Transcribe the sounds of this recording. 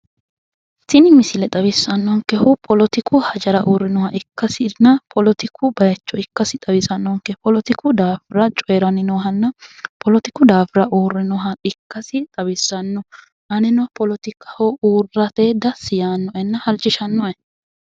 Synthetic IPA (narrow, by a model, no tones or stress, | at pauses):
tɪnɪmɪsɪlɛt̪ʼɐβɪsːɐnːɔŋkɛhʊpʰʼɔlɔt̪ɪkʰʊhɐd͡ʒɐɾɐʔuːrːɪnɔhɐʔɪkːɐsɪnːɐpʰɔlɔt̪ɪkʰʊbɐjɐt͡ʃːɔɪkːɐsɪt̪ʼɐbɪsɐnːɔŋkːɛpʰɔlɔt̪ɪkʰʊd̪aːfɾɐt͡ʃʼɔjɛɾɐnɪnɔɦɐnːɐpʰɔlɔt̪ɪkʊd̪aːfɪɾɐʔuːrːɪnɔɦɐɪkːɐsɪt̪ʼɐbɪsːɐnːɔ | ʔɐnɛnɔhpɔlɔt̪ɪkːɐhɔʔuːrːɐt̪eːd̪ɐsɪjaːnːɔʔɛnːɐhɐlt͡ʃʼːɪʃɐnːɔʔɛ